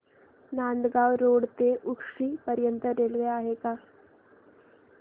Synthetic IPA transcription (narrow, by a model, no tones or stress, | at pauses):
nand̪ɡawɾoɽt̪eʔukʂiːpəɾjənt̪əɾelʋeaɦeka